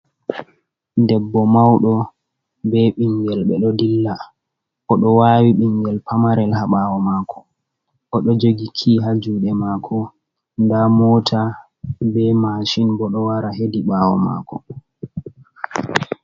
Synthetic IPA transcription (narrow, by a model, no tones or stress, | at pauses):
dɛbːɔmawɗɔ | bɛɓiŋɡɛlɓɛɗɔdilːa | ʔɔɗɔwaːwiɓiŋɡɛlpamaɾɛlhaɓawɔmakʰɔ̥ | ʔɔɗɔd͡ʒoɡikʰiɦad͡ʒuɗɛmaːkʰɔ | ndamɔtʰa | bɛmaʃinbɔɗɔwaɾaɦediɓaːwɔ̰ma̰kʰɔ